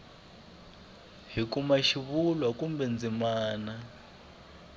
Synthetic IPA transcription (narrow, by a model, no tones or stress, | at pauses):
ɦikumaʃiβulwakumbɛnd͡zimaːna